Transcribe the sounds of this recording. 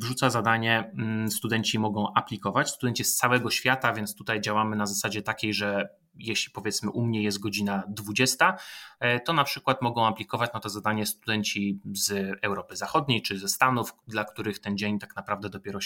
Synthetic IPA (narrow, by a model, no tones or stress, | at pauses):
vʐut̪sazad̪aɲɛst̪ud̪ɛɲt͡ɕimɔɡɔ̃w̃ʔapʲlʲikɔvat͡ɕst̪ud̪ɛɲt͡ɕist̪sawɛɡɔɕfʲjat̪avʲjɛnt̪st̪ut̪ajd͡ʑawamɘnazasad͡ʑɛt̪akʲejʐɛ | jɛɕlʲipɔvʲjɛt̪smɘʔumɲɛjɛst̪̚ɡɔd͡ʑinad̪vud͡ʑɛst̪a | t̪ɔnapʂɘkwat̪mɔɡɔ̃w̃aplʲikɔvat͡ɕnat̪ɔzad̪aɲɛst̪ud̪ɛɲt͡ɕizɛwɾɔpɘzaxɔd̪ɲejt͡ʂɘzɛst̪anufd̪lakt̪uɾɘxt̪ɛnd͡ʑeɲt̪aknapɾavd̪ɛd̪ɔpʲɛɾɔ